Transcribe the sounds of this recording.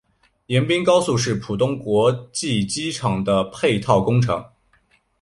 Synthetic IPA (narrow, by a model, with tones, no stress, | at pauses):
jɛ˧˥npi˥ŋkɑ˥ʊsu˥˧ʂ̬ɻ̩˥˩pʰu˨˩t̪ʊ˥ŋkwɔ˧˥t͡ɕi˥˩t͡ɕi˥ʈ͡ʂʰɑ˨˩ŋd̪ə˦pʰe˥˧ɪt̪ʰɑ˥˩ʊkʊ˥ŋʈ͡ʂʰɤ̰˧˥ŋ